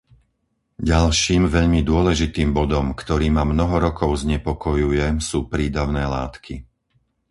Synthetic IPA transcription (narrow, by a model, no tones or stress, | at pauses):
ɟalʃiːmʋɛʎmid̪ʊɔlɛʒit̪iːmbɔd̪ɔmkt̪ɔɾiːmamnɔɦɔɾɔkɔʊzɲɛpɔkɔjujɛsuːpɾiːd̪aʊnɛːla̰ːt̪kʰi